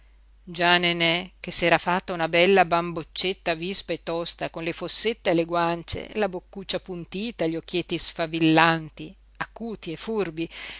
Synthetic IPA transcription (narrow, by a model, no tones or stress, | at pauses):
d͡ʒanenɛk̟ːesːɛːɾafat̪ːaunabɛlːabambot͡ʃːet̪ːavispaet̪ːɔst̪akonlefosːet̪ːeeleɡwant͡ʃḛlabokːut͡ʃːapunt̪iːt̪aʎok̟ːjet̪ːisfavilːant̪i | akːuːt̪iefurbi